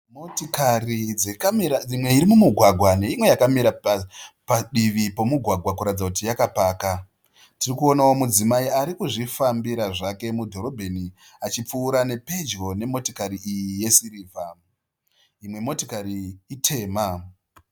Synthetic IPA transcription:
motokariekiimwe̞iɾimumuɡʱwaɡʱwane̞imwe̞jakamiɾapaɗiʋipo̞muɡʱwaɡʱwakuɾatd͡zakutijakapaːka | tirikuo̞nawo̞mud͡zimaiaɾikuʐifambiɾaʐake̞mudʱo̞ɾo̞bʱeni | at͡ʃip͡fuːɾane̞pe̞d͡ʒɡo̞ne̞mo̞tokaɾiʔijije̞siɾiːvʱam | imwe̞mo̞tokaɾiitʰe̞ːma

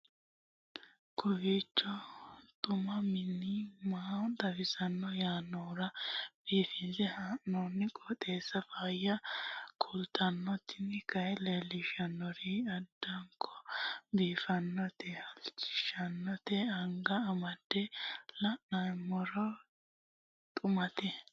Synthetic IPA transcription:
kʰɔwit͡ʃːɔt̪ʼʊmɐmɪnimaːt̪ɐfɪsɐnːɔjaːnːɔɾɐb̥iːfɪnzɛhaʔnːɔnːɪkʼɔt̪ʼeːsːɐfaːjɐkʰɔlt̪ʰɐnːɔt̪ːɪnɪkɐjlelɪʃɐnːɔɾiɐd̪ːɐŋkʰːɔ̥biːfɐnːɔt̪ɛhɐlt͡ʃːɪ̥ʃɐnːɔt̪ɛɐŋɡɐːmɐd̪̥ːɛlɐʔnɐjmɔɾɔ | t̪ʼʊmɐt̪ɛ

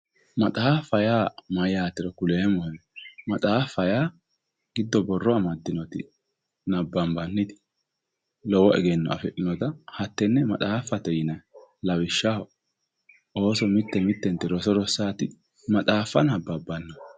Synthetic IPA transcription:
mɐt̪ʼaːfːɐjaːmɐjaːt̪ːɪɾɐkʊleːmɔhɛmɐt̪ʼaːfːɐjaː | ɡ̥ɪd̪ːɔbɔrːɔɐmɐd̪ːɪnɔt̪ɪ̰ | nɐbːɐmbɐnːɪt̪ɪ̥ | lɔwɔɛ̰ɡɛnːɔ̰ɐ̰fɛʔɪnɔt̪ɐhɐt̪ːɛnːɛmɐt̪ʼaːfːɐt̪ɛjɪnɐlɐwɪʃːahɔ | o̞ːsɔmɪt̪ːɛmɪt̪ːɛnt̪ːɪɾɔsɔɾɔsːaːt̪ɪ | mɐt̪ʼaːfːɐnɐbːɐbɐnːɔ

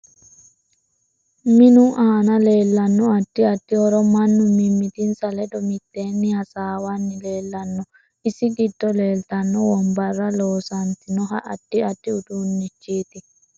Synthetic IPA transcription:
mɪnʊʔaːnɐle̞ːlːɐnːɔɐd̪̥ːɪɐd̪ːɪhɔɾɔmɐnːʊmːɪmːɪt̪ɪnsɐlɛd̪ɔmɪt̪ːeːnːɪhɐsaːwɐnːɪleːlːɐnːɔ | ɪsɪɡɪd̪ːɔle̞ːlt̪ɐnːɔwɔmbɐrːɐloːsɐnt̪ɪnɔɦɐʔɐd̪̥ːɪɐd̪̥ːɪʊd̪unːɪt͡ʃːiːt̪ɪ

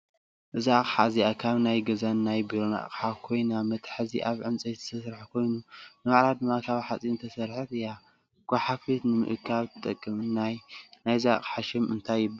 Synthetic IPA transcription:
ʔɨzaχʼħaziakʰaβnajɡɐzanːajbiɾona̰ʔqʼħakʰo̞jnamɐt̪ʰħɨziʔaβʕɨnt͡sʼɐjzɨ̥t̪ʰɐsɾħakʰo̞jnunɨmaʕɾad̪ɨmːakʰaβħat͡sʼint̪ʰɐsɐɾħɨt̪ɨja | ɡ̥ʷaħafit̪nɨmɨ̰ʔɨkʰːaβt̪ʰɨt̪ʼɐkʼːɨmɨnajnajzaqʼħaʃɪmɨnt̪ʰajːɪβɨ

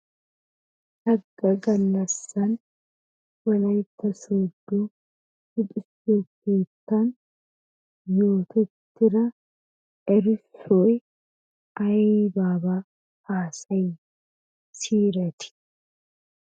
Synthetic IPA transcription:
hɐɡːɐɡɐlːɐsːɐn | wɐlɐjt̪ːɐsoːd̪ːuː | hɪt̪ʼɪsːokːeːt̪ːɐn | joːt̪ʰɛt̪ːɪɾɐ | ɛɾɪsoj | ɐbaːbaː | aːsɐj | siːɾɐt̪ɪ̥

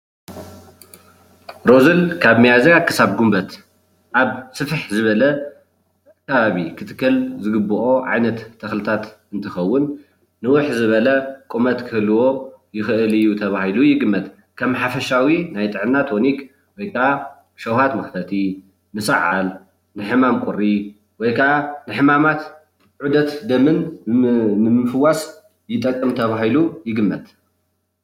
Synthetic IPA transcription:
ɾo̞zɨlkʰaβmijazɐkʰɨ̥saβɡumbɐt̪ | ʔaβsɨfħzɨβɐlɐ | kʰːɐβaβikʰɨt̪ʰɨ̥kːɐlzɨɡɨbːɨʔo̞ʕa̰jnɐt̪ʰːɐxlɨt̪ʰat̪ | ɨnt̪ʰɐxɐwːʊnː | ɨwʊħzɨβɐlɐkʼumɐt̪kʰɨhlɨwo̞jɪxɨʔɨlɨjːut̪ʰɐβahilujɪɡɨmːɐt̪ | kʰɐmħafɐʃawinajt̪ʼɨʕɨnːat̪ʰonik | wɔjkʰɐʔa | ʃɐwhat̪mɐxt̪ʰɐt̪ʰi | nɨsa̰ʕa̰l | nɨħɨmamkʷʼʊɾːi | wɔjkʰɐʔanɨħɨmamat̪ | ʕud̪ɐt̪d̪ɐmɨnː | ɨmɨfɨwːas | jɪt̪ʼɐkʼːɨmt̪ʰɐβaɦilujɪɡɨmːɐt̪

